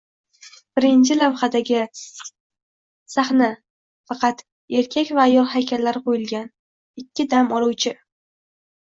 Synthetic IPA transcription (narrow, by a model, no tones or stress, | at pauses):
b̥ɪɾɪnt͡ʃʰɪlawχad̪aɡʲɪ | saχna | fɑqʰɑt̪ | e̞ɾkʲʰakʲvaːjɒlˠhajkʲʰalːaɾqʰojɪlɡʲan | ɪkʲːɪd̪amɒlˠuwt͡ʃʰɪ